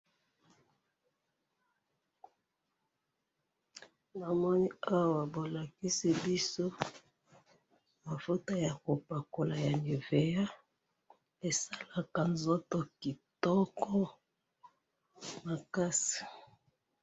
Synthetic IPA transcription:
na˨mɔ˦ni˦a˦wa˨bo˨la˨ki˦si˦bi˦so˦ | ma˨fo˦to˦ja˨ko˨pa˨ko˨la˨ja˨ni˨ve˨ja˦ | e˨sa˦la˨ka˨nzo˦to˨ki˨tɔ˦kɔ˦ | ma˨ka˦si̥˨

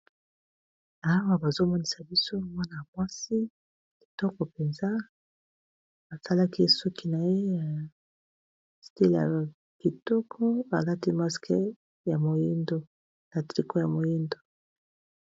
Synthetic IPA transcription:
a˨˦wa˦ba˨zo˦mo˦ni˨sa˨bi˦so˦mwa˦na˨ja˨mwa˦si˦ | ki̥˨tɔ˦kɔ˨pe˨nza˦ | ba˨sa˦la˦ki˦su˦ki˦na˨je˦ja˨ | sti˦lja̰˨ | ki˨tɔ˦kʰɔ˦ba˨la˦ti˦ma˦ske˦ | ja˨mo˨ji˦ndo˨ | na˨tʁi˨ko˦ja˨mo˨ji˦ndo˨

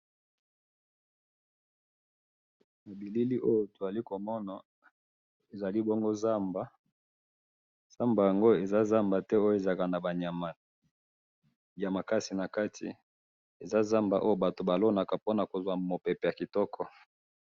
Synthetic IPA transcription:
na˨bi˨li˦li˦ʔo˦jo˨to˨za˨li˦ko˨mɔ˦na˨ | e˨za˨li˦bɔ˦ŋɡo˦za˦mba˨ | z̥a˦mba˨ja˨ŋɡo˦e˨za˦za˦mba˨tɛ˦o˦jo˨e˨za˨ka˨na˨ba˨ɲa˨ma˨ | ja˨ma˨ka˦si˨na˨ka˦tʰḭ˨ | e˨za˦za˦mba˨ʔo˦o˦ba˨to˨ba˨lo˦na˨ka˨po˦na˨ko˨zwa˨mo˨pɛ˨pe˨ja˨ki˨tɔ˦kʰɔ˦

